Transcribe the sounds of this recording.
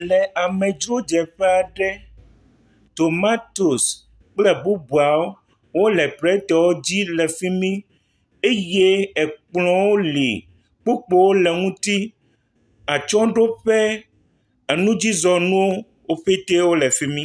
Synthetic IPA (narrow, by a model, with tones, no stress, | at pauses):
lɛ˨ʔa˨mɛ̃˨d͡ʒɾo˦d͡ʒɛ˨ɸɛ˦a˨ɖɛ˦ | t̪o˨ma˦t̪o˨s | k͡plɛ˦bu˦bu˨a˨wo˦ | wo˦lɛ˨pɾɛ˦t̪ɛ˨wo˦d͡ʑi˦lɛ˨fi˦mĩ˦ | e˦je˦ɛ˨k͡plɔ̃˦wo˦lḭ˨ | k͡pu˦k͡po˨wo˦lɛ˨ŋũ˦t̪i˦ | a˨t͡ʃɔ̃˦ɖo˦ɸɛ˦ | e˨nũ˦d͡ʑi˦zɔ˨nũ˦wo˦ | wo˦ɸe˦t̪e˦wo˦lɛ˨fi˦mĩ˦